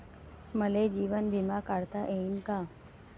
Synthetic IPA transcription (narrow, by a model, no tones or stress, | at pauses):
məled͡ʒiːʋənbʱɪmakaːɽt̪aʔeːnkaː